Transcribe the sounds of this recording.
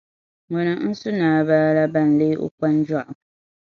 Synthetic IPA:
ŋɔ˨na˨n̩˦sʊ˦naː˨βaː˦la˦ba˦˨n̩˨le˦ʔo̰˦k͡pa˦n˦d͡ʒa˦ʔʊ˨

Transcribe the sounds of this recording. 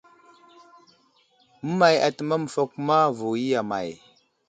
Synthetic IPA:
mə˦ma˨ja̰˨tə˨ma˦mə˨fo˦kma˦vu˨ji˦ja˨ma̰˨j

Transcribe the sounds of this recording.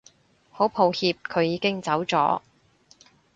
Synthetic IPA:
ho˨˥wpʰo˧whiː˧p̚kʰɵ˨˧ɥjiː˨˧kɪ˥ŋt͡sɐ˨˥wt͡sɔ̰ː˨˥

